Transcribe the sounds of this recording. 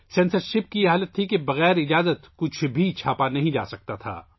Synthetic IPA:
sɛ̃ːnsəɾʃɪp̚kijeɦaːlət̪ʰːikebɐɣɛːɾɪd͡ʒaːzət̪kʊt͡ʃʰbʱit͡ʃʰaːpanɐɦĩd͡ʒa̰ːsɐk̚t̪at̪ʰa̰ː

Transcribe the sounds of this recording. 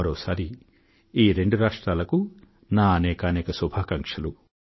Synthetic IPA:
ɐɾoːsaːɾi | iːɾe̞ɳɖuɾaːʂʈɾaːlɐku | naːɐnɛːkaːnɛːkɐsubʱaːkɐŋkʂɐlu

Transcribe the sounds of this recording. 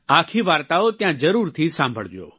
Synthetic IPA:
aːkʰiʋaːɾt̪aːot̪ɪ̃jãzɐɾuːɾt̪ʰisãːmbʱə̰ɭʋijo̰ː

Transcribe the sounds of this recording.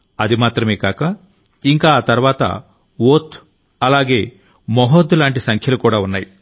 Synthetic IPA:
ɐd̪imaːt̪ɾɐmeːkaːkɐ | iŋkaːt̪ɐɾʋaːt̪ɐ̰ | oːt̪ʰ | ɐlaːɡeː | mɔɦod̪ulaːɳʈisɐŋkʰjɐlukuːɽaːunːaːji

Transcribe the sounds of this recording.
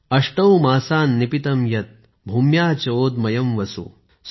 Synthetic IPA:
ɐʂʈɐwmaːsaːnːipit̪ɐmjɐt̪̚ | bʱuːmjaːt͡ʃoːd̪̚mɐjɐmʋɐsṵ | s

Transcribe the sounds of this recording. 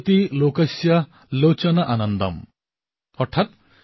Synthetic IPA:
t̪ilokɐsjɐ | lot͡ʃɐnɐʔanʌnd̪ɐ̰m | ʌɾt̪ʰat̪̚

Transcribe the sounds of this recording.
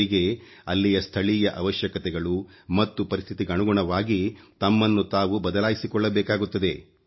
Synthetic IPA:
iɡe̞ | ɐlːijɐst̪ʰɐɭiːjɐʔɐʋɐʃjɐkɐt̪ɛɡɐɭumɐt̪ːupɐɾist̪ʰit̪iɡɐɳuɡuɳɐʋaːɡit̪ɐmːɐnːut̪aːʋubɐd̪ɐlaːjisikɔɭːɐbɛːkaːɡut̪ːɐd̪e̞

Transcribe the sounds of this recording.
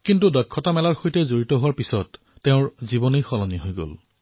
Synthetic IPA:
kintudɔkʰːɔtamɛlaɹxojtɛzoɹitɔɦʊwaɹpisɔtː | eʊ̃ɹzibɔnejxɔlɔniɦojɡo̰l

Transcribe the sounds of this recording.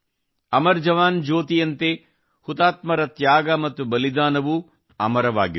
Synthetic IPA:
ɐmɐɾd͡ʒɐʋaːnd͡ʒoːt̪ijɐnt̪e | hut̪aːt̪mɐɾɐt̪jaːɡɐmɐt̪ːubɐlid̪aːnɐʋu | ɐmɐɾɐʋa̰ːɡi

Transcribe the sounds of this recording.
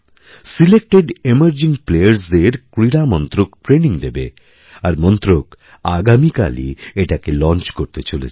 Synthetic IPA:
silek̚ʈeɖeməɾd͡ʑiŋplejəɾs̬d̪eɾkɾiɾamɔnt̪ɾokʈɾeniŋd̪ebḛ | aɾmɔnt̪ɾok | aɡamika̰lḭeʈakelɔnt͡ɕkoɾt̪et͡ɕolḛt͡ɕʰ

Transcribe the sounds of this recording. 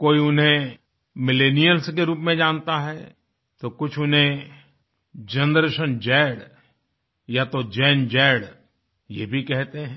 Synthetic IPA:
koːiʊnɦẽ | mɪleːnijəlskeɾuːpmẽd͡ʒãːnt̪aɦɛː | t̪okʊt͡ʃʰʊnɦẽ | d͡ʒɐ̃nd̪ɾəʃənd͡ʒɛːɽ | jat̪od͡ʒɛːnd͡ʒɛːɽ | jebʱikɛɦt̪eɦɛ̃

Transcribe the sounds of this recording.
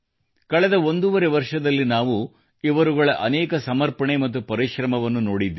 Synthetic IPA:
kɐɭɛd̪ɐond̪uʋɐɾe̞ʋɐɾʂɐd̪ɐlːinaːʋu | iʋɐɾuɡɐɭɐʔɐnɛːkɐsɐmɐɾpɐɳemɐt̪̬ːupɐɾiʃɾɐmɐʋɐnːuno̞ːɽid̪ːi

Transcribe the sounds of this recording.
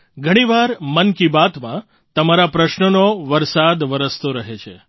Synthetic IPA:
ɡʱəɽ̃iʋaɾmənkibat̪mã | t̪əmaɾapɾəʃnənoʋəɾsad̪ʋəɾəst̪oɾəɦet͡ʃʰḛ

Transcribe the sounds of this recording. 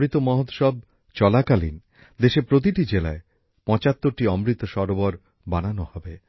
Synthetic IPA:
ɾit̪omɔɦot̪ʃɔb̚ | t͡ɕɔlakalḭn | d̪eʃepɾot̪̬iʈid͡ʑela̰e | pɔ̃t͡ɕat̪ːoɾʈiɔmɾit̪ːoʃɔɾobɔɾ | bananohɔbe

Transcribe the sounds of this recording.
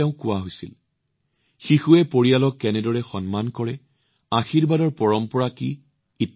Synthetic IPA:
ɛʊ̃kʊwaɦojsil | xixuɛpoɹijalɔkːɛnɛdɔɹɛxɔnmankɔɹɛ | axiɹbadɔɹpɔɹɔmpɔɹaki | it

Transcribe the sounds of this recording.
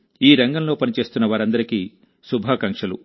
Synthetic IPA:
iːɾɐŋɡɐmlo̞ːpɐnit͡ʃe̞ːst̪unːɐʋaːɾɐnd̪ɐɾiki | subʱaːkɐŋkʂɐlṵ

